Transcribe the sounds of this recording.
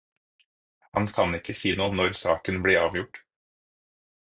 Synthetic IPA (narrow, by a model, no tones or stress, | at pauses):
hɑ̰nkʰɑnɪkəsiːnoːnɔɾsɑːkənbliːɑːʋjʊʈ